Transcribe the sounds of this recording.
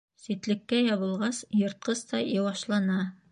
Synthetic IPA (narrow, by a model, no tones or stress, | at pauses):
sit̪lɘ̆kːæjɑβɤ̆lˠʁɑsjŏɾt̪̚qɤst̪ɑjɤwɑʃlˠɑnɑ